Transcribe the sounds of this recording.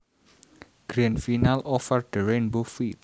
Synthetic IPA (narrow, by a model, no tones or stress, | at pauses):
ɡ̥ɾãnfinalɔfərdəɹẽnbofil